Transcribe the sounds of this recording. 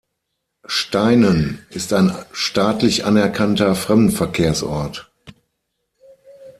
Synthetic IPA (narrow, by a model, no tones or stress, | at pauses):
ʃtaɪnənɪstaɪnʃtaːtlɪçʔa̰nɛɐkʰantɐfʁ̥ɛmdn̩fɛɐkʰeːɐsʔɔɐt